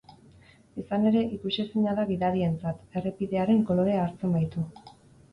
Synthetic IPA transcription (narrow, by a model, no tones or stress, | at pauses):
esane̞ɾe̞ʔikusisiɲaðaβiðaɾie̞nt͡sat̪e̞re̞piðe̞aɾe̞ŋko̞lo̞ɾe̞aːɾt͡se̞mbajt̪u